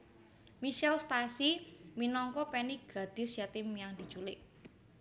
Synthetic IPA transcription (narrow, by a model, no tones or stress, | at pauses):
miʃɛlst̪asiminɔŋkɔpɛniɡ̥a̤d̪̥ɪ̤sjat̪ɪmjaŋd̪i̤̥t͡ʃulɪʔ